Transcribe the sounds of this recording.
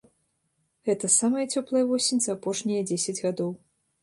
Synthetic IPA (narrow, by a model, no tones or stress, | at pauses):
ɣɛt̪ɐsamɐjɐt͡sʲɔplˠɐjɐvɔsʲenʲzɐapɔʂnʲijɐd͡zʲesʲɐd͡zʲɣad̪ɔw